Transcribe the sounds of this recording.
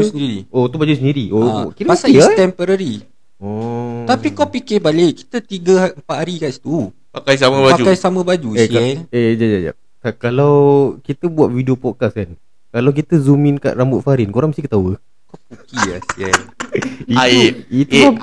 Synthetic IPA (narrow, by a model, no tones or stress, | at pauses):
səndiɾiot̪ubad͡ʒusəndiɾiʔokit̪əpasaiat̪ɛmpəɾaɾi | ɔt̪apikɔwpikɪbalɪʔki̥t̪ət̪iɡəəmpat̪̚haɾikaʔst̪u | pakajs̬amabapad͡ʒukajsamə̃bad͡ʒueiɛned͡ʒad͡ʒad͡ʒa̰ʔ̚ | kakalawkit̪əbuat̪̚fidiopɔkaskan | kalawk̬it̪əzumɪ̃nka̰ʔɾambʊt̪̚faɾɪnkoɾaŋməst̪ikət̪awə | kɔpukia̰siɛniait̪u